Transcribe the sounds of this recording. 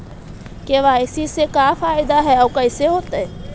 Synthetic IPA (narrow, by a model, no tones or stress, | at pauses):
keʋaːɪsisekaːfaːɪd̪aɦɛɔːkɐɪseɦoːt̪aɦɛ